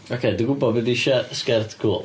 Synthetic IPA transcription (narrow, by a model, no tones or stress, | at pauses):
okʰejdiɡʊbɔdbədiʃɛskɛrtʰkʰuːlˠ